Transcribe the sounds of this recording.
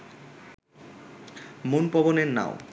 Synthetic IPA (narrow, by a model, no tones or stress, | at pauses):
monpɔboneɾna̰o̰